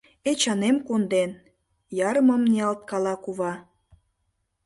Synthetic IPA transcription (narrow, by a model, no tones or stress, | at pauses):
et͡ɕɑnemkond̪en | jɑɾəməmneɑlt̪̚kɑlɑkuβɑ